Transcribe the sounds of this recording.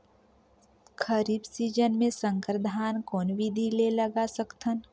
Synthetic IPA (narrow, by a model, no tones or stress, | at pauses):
kʰəɾiːbsiːd͡ʒənmẽsə̃ŋkɾəd̪ʱaːnkɔːnʋid̪ʱileləɡasəkt̪ʰən